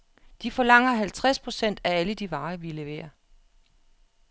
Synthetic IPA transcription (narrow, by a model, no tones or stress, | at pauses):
d̥ifɒ̽lɑ̈ŋ̰ɐɦælt͡sʰʁaspʰʁo̝sen̰d̥ææləd̥iʋɑ̈ːʋile̝ʋe̝̰ːɐ